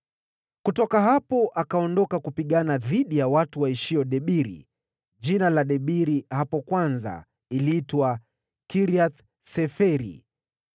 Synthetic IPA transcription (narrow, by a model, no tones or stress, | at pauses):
kutɔkaɦapɔʔakaɔndɔkakupiɠanaðiɗijawatuwaiʃiɔɗɛɓiɾḭ | ʄinalaɗɛɓiɾihapɔkwanza̰ | iliitwa | kiɾiaθ | sɛfɛɾḭ